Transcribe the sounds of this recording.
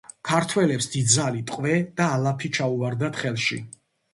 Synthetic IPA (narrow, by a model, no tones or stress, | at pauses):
kʰaɾt̪ʰwɛlɛpsd̪̥id̪zalit̪ʼqʼvɛd̪aːlˠapʰit͡ʃʰauaɾd̪at̪χɛlˠʃḭ